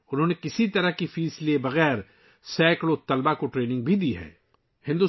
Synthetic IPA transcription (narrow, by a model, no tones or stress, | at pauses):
ʊnɦõːnekɪsit̪ɐɾəɦkifiːslebɐɣɛːɾ | sɛːkloːt̪ɐlbakoʈɾeːnɪ̃ŋɡ̚bʱid̪iɦɛ̰ː | hɪ̃nd̪uː